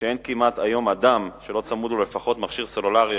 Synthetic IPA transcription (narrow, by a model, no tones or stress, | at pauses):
eenkimat̪ajo̞mad̪amʃe̞lo̞t͡samudule̞faχo̞t̪maχʃiʁsolulaʁi